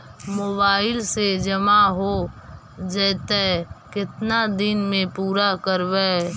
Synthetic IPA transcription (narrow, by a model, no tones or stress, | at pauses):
moːbaːɪlsed͡ʒəmaɦo | d͡ʒɛːt̪ɛkɪt̪nad̪ɪnmẽpuːɾakəɾʋɛ